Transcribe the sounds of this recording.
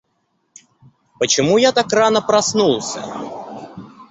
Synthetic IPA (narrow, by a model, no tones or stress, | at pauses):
pət͡ɕɪmujat̪akranəpɾɐsnulˠsʲə̰